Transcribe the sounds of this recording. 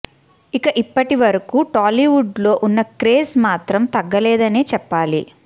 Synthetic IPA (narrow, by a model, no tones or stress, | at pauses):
ikɐʔipːɐʈiʋɐɾɐkuːʈaːliʋuɖlo̞ːʔunːɐkɾeːsmaːt̪ɾɐmt̪ɐɡːɐlɛːd̪ɐneːt͡ʃɛpːaːlḭ